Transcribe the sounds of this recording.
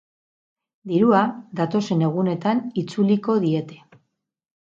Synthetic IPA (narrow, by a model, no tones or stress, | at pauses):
d̪iɾuad̪at̪o̞se̞ne̞ɣ̞une̞t̪anit͡suliko̞ðie̞t̪e̞̥